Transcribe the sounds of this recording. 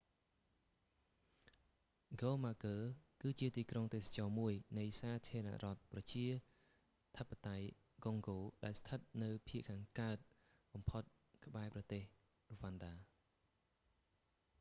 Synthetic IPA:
ɡoːmaːkəːkɨːt͡ɕiət̪iːkroŋt̪eːsḁt͡ɕɑːmuəjnɨjsaːt̪ʰiəɾəna̰ʔrŏət̪̚prɑt͡ɕiə | t̪ʰəpːat̪aj | ɡoŋɡoːɗaɛlst̪ʰət̪̚nɨwpʰiəʔkʰaːŋkaət̪̚ | ɓɑmpʰot̪̚ | kə̆ɓaɛprɑt̪eːh | roʋanɗaː

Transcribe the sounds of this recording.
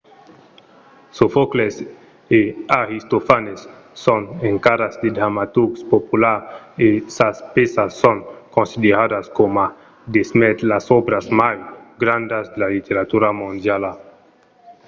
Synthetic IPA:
sofokles | eaɾist̪ofanesː | oneŋkaɾazd̪ed̪ɾamat̪uɾɡspopulaɾesaspesasːoŋkonsid̪eɾad̪askoma | d̪esmet̪lasobɾazmajɡɾãnd̪azd̪elalit̪eɾat̪uɾamõnd̪jala

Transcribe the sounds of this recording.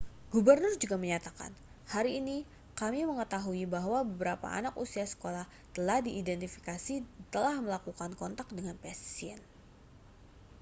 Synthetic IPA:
ɡ̥ubərnʊrd͡ʒuɡaməɲat̪aka̰n | haɾiːni | kamiməŋət̪aɦuibaɦwabəbəɾapa̰a̰nakusiasə̥kolah | t̪əlahdiːdɛnt̪ifi̥kasit̪əlahməlakukankɔnt̪ak̚dəŋanpassiɛ̰n

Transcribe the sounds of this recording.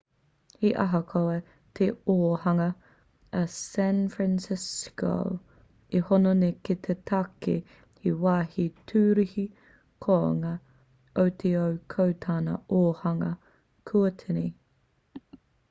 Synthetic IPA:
hiʔɐ̰ɦɐkʰoe | tʰeoːhɐŋɐ | ɐsænfɹænsɪsko̰w | ihononeket̪ʰetʰɐke | iwaːhitʰuːɾihi | kʰoŋɐ | owt̪ʰeowkʰowt̪ʰaːnɐ̰oːhɐŋɐ | kʰuɐtʰeni

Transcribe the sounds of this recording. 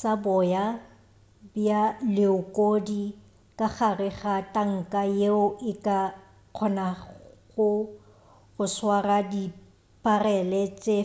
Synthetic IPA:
sabɔja | bjalɪʊkʼodi | kʼaχarɪɣatʼaŋ̩kʼajeʊʔɪkʼa | q͡χʰɔnaɣʊ | ɣʊswaradi | pʼarɛlɛt͡sʼe

